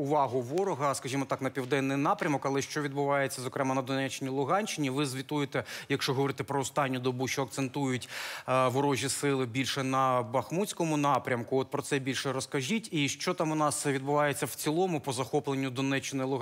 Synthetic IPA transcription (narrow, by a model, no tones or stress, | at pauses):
ʊʋɑɦʊʋɔɾɔɦɐskɐʒʲimɔt̪ɑknɐpʲiwd̪ɛnːɪjnɑpɾʲɐmɔkɐlˠɛʃt͡ʃɔʋʲid̪bʊʋɑjet͡sʲːɐzɔkɾɛmɑnɐd̪ɔnɛt͡ʃːɪnʲilˠʊɦɑnʲt͡ʃɪnʲiʋɪzʋʲit̪ujɪt̪ɛjɐkʃt͡ʃɔɦɔʋɔɾɪt̪ɛpɾɔɔst̪ɑnʲːʊd̪ɔbuʃt͡ʃɔɐk̚t̪sent̪ujʊtʲʋʊɾɔʒʲisɪlˠɪbʲilʲʃɛnɐbɐxmutʲt͡sʲkɔmʊnɑpɾʲɐmkʊɔt̪̚pɾɔt̪sɛbʲilʲʃɛɾɔskɐʒʲitʲiʃt͡ʃɔt̪ɑmʊnɑsʋʲid̪bʊʋɑjet͡sʲːɐwt͡sʲilˠɔmʊpɔzɐxɔplˠenʲːʊd̪ɔnɛt͡ʃːɪnɔjlˠʊ